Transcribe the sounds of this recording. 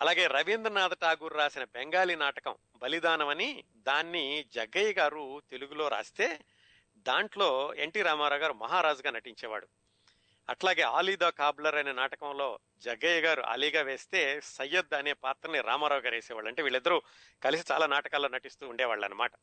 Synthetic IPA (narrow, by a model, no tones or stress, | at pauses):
ɐlaːɡe̞ːɾɐʋind̪ɾɐnaːd̪ɐʈaːɡuːɾːaːsinɐbɛŋɡaːlinaːʈɐkɐm | bɐlid̪aːnɐmɐni | d̪aːnːid͡ʒɐɡɐjɐɡaːɾut̪e̞luɡulo̞ːɾa̰ːsi̥t̪e̞ː | d̪aːɳʈlo̞ːeɳʈiːɾaːmaːɾaːɡaːɾumɐɦaːɾaːd͡ʒuɡaːnɐʈiɲt͡ʃɛːʋa̰ːɽu | ɐʈlaːɡe̞ːa̰ːliːd̪aːkaːblɐɾɐjnɐnaːʈɐkɐmlo̞ː | d͡ʒɐɡɐjɡaːɾuʔa̰ːliːɡaːʋe̞ːst̪e̞ːsɐjːɐd̪aɐneːpaːt̪ɾɐniɾa̰ːmaːɾaːwɡaːɾeːsɛːʋaːɭːɐɳʈeːʋiːɭːid̪ːɐɾu | kɐlisi̥t͡ʃa̰ːlaːnaːʈɐkaːloːnɐʈist̪uːɳɖɛːʋaːɭːɐ̰nːɐmaːʈɐ